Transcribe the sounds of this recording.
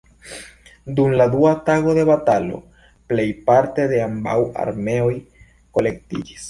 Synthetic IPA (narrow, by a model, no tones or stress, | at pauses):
dumlad̪uataɣo̞de̞βatalo̞̰ | ple̞jpaɾte̞de̞amba̰wa̰ɾme̞o̞j | ko̞le̞k̚tḭd͡ʒis